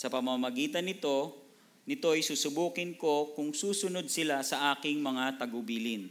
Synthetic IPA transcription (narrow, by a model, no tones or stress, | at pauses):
sɐpɐmamɐɡiːt̪ɐnɪt̪o̞ | nɪt̪o̞ɐjsuːsʊbuːkɪnko̞kʊŋsuːsʊno̞d̪̚sɪlasɐʔaːkɪŋmɐŋat̪ɐɡʊbiːlɪn